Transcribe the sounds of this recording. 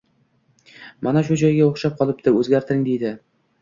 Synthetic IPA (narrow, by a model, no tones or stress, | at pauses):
manaʃ̬ʊd͡ʒɒjɡʲaoχʃɑp̚qʰɒlˠɪp̚t̪ɪɾɵzɡʲæɾt̪ʰɪɾɪŋd̪ejd̪ɪ